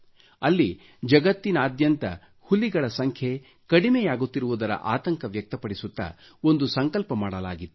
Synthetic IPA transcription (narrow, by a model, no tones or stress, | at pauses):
ɐlːi | d͡ʒɐɡɐt̪ːinaːd̪jɐnt̪ɐ̰ | hulːiɡɐɭɐsɐŋkʰje̞ | kɐɽimɛjaːɡut̪ːiɾuʋud̪ɐɾɐ̰ʔaːt̪ɐŋkɐʋjɐk̚t̪ɐpɐɽisut̪ːɐ̰ | o̞nd̪usɐŋkɐlpɐmaːɽɐla̰ːɡit̪ːu̥